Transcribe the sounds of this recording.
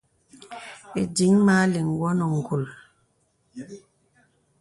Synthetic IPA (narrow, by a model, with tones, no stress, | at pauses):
e˨di˨˦ŋma˦li˨ŋ̩˨ɡwɔ˦nɔ˨ŋ̩˨ɡu˨l